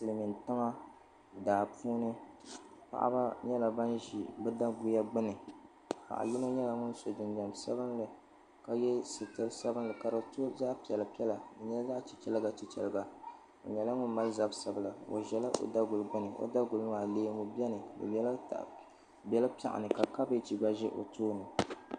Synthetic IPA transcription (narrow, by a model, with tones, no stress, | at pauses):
sɨ˨lmi˨ntɨ˦ŋa˦ | daː˨puː˦nɨ˦ | pa̰˨ʔa̰˦ba˦ɲɛ˦la˨ba˦nʒi˨bɨ˦da˦ɡu˨ja˦ɡ͡bɨ˦nɨ˨ | ha̰˨ʔa̰˨lʊ˦no˦ɲɛ˦la˨ŋʊ˦n˦so˨d͡ʒɪ˨nd͡ʒa˨msa̰˦bɨ˦nlɨ˨ | ka˦jɛ˦sɨ˨tɨ˦lsa˦bɨ˦nlɨ˨ka˨ɾa˨to˦za˦ʔpi˨ɛ˨la˨pi˦ɛ˦la˨dɨ˨ɲɛ˦za˦ʔt͡ʃi˨t͡ʃɛ˦lɨ˦ɡa˨t͡ʃi˨t͡ʃɛ̰˨lɡa˨ | o̰˨ɲɛ˨la˦ŋʊ˦n˦ma˦lza˦bsa˨bla˨o̰˨ʒɛ˨la˦ʔo̰˨da˦ɡʊ˨lɡ͡bɨ˦nɨ˨ʔo̰˦da˦ɡʊ˨lmaː˨leː˦mu˨bɛ˦nɨ˨bɨ̰˨bɛ˦l̰ | bɛ˦la˦pa̰˨ʔa̰˨nɨ˨ka˨ka˦bɨ˦t͡ʃi˨ɡ͡ba˦ʒɛ˦ʔo̰˨toː˦nɨ˨